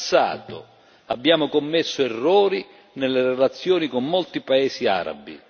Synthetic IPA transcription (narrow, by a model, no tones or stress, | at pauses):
sːa̰ːt̪ʊ̰ | abːjaːmʊkomːesːʊɛrːɔːɾi | nɛlːeɾelat̪sːjɔːnikomːolt̪ipaɛːsia̰ɾa̰bi